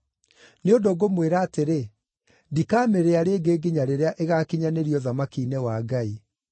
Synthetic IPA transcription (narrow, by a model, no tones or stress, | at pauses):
neondoɣomweɾaːteɾe | ndikaːmeɾeaɾeːɡeːɡiɲaɾeɾeaʔeɣakiɲaneɾiɔðamakiːnewaɡai